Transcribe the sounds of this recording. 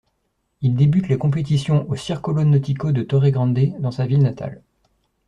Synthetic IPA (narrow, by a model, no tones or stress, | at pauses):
ild̪ebyt̪lekɔ̃p̬et̪isjɔ̃ʔosiʁkɔlonɔt̪ikod̪ət̪ɔʁeɡʁɑ̃d̪ed̪ɑ̃savilnat̪a̰l